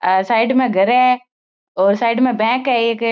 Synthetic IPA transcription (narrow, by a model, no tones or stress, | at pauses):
saːɪɖmẽɡəɾẽ | ɔːɾsaːɪɖmẽbɛ̃ːkɦɛek